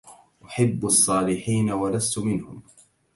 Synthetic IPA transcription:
ʔʊħabːɑsˤːɑːlɪħiːnawalast̪ʊmɪnhʊm

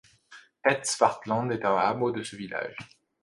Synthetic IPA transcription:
ɛt̪sfaʁt̪lɑ̃d̪ɛt̪ɑ̃amod̪əsəvila̰ʒ

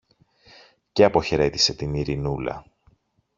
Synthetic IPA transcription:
ceɐpo̞çe̞ɾe̞t̪ise̞t̪iniɾinulɐ̰

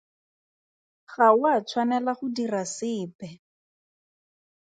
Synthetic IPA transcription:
χaʊat͡sʰwanɛlaχʊdirasɪːpɛ

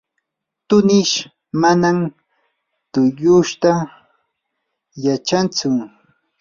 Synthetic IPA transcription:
t̪ʊnɪʃ | manam | t̪ʊjʊʃt̪a | jat͡ʃant͡sʊ

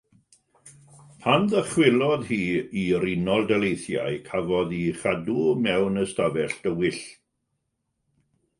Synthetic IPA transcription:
pʰanðəχwɪlˠɔðhiːiɾinɔlˠdɛlejθja̰jkʰavɔðiχadumɛwnəstavɛɬd̥əwɪɬ

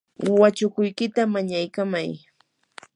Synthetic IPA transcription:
wat͡ʃʊkʊjkɪt̪amaɲajkamaj

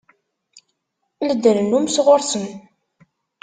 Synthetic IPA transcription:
ləd̪ənənumsʁʊɾsən

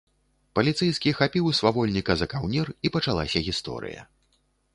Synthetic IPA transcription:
pɐlʲit̪sɛjskʲixapʲiwsvavɔlʲnʲikɐzɐkawnʲiripɐt͡ʂalˠasʲɐɣʲist̪ɔ̰ɾɨ̰jɐ̰

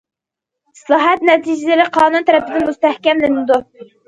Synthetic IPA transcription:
slˠɑːɦɛt̪nɛt̪ʰid͡ʒɪd̪ɪlɪqʰɑːnunt̪ʰæɾɛpɪd̪ɪnmust̪æhkʲɛmlɪnɪd̪u

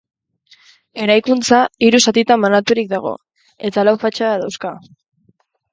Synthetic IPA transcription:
e̞ɾajkunt͡saiɾusat̪it̪amanat̪uɾik̚d̪aɣ̞o̞̰ | e̞t̪alawfat͡ʃaðawska

